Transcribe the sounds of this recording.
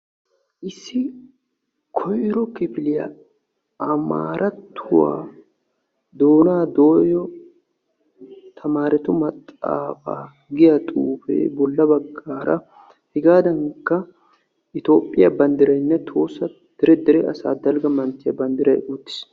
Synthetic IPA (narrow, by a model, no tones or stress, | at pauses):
ʔɪsːɪ | kʰɔjɾɔkɪpɪlɪjɐ̰ | ʔɐma̰ːɾʔɐt̪ːʊwa̰ː | d̪oːnaːd̪o̞ːjɔ | t̪ʰɐmaːɾɛt̪ʊmɐt̪ʼːa̰ːfa̰ː | ɡɪjɐt̪ʼuːfɛ̰ːbɔlːɐbɐɡːaːɾɐ̰ | hɪɡaːd̪ɐŋkːɐ | ʔɪt̪o̞ːpʼːɪjɐbɐnd̪ɪɾɐjnːɛt̪ʰo̞ːsːɐ | d̪̥ɛɾɛd̪ɛɾɛɐsa̰ːd̪ɐlɡɐmɐnt̪ːɪjɐ̰bɐnd̪ɪɾɐ̰jʔuːt̪ːɪ̥s